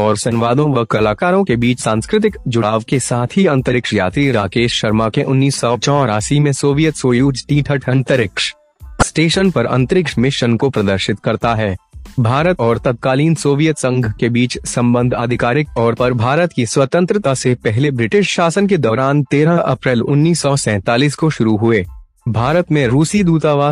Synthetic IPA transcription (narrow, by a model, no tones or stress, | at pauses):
ɔːɾsɐnɪʋaːd̪õʋɐkɐlaːkaːɾõkebiːt͡ʃsãːnskɾɪt̪̬ɪkd͡ʒʊɽaːʋkesaːt̪ʰɦiɐ̃nt̪əɾɪkʃjaːt̪ɾiɾaːkeːʃʃɐɾmakeʔʊnːiːsɔːt͡ʃɔ̃ːɾaːsimẽsoːʋijət̪soːjuːd͡ʒʈĩːʈʰəʈʰɐ̃nt̪əɾɪkʃ | sʈeːʃənpɐɾɐ̰̃nt̪əɾɪkʃmɪʃənkopɾɐd̪əɾʃɪt̪kɐɾt̪aɦɛːbʱaːɾət̪ɔːɾt̪ɐt̪̚kaːliːnsoːʋijət̪sɐ̃ŋɡʱkebiːt͡ʃsɐ̃mbə̃nd̪ʱaːd̪ʱɪkaːɾɪk̚ɔːɾpɐɾbʱaːɾət̪kiswɐt̪ə̃nt̪ɾɪt̪asepɛɦlebɾɪʈɪʃʃaːsənked̪ɔːɾaːnt̪eːɾaʔɐpɾɛːlʊnːiːsːɔsɛ̃ːt̪aːliːskoʃʊɾuɦʊeː | bʱaːɾət̪mẽɾuːsid̪uːt̪aʋaː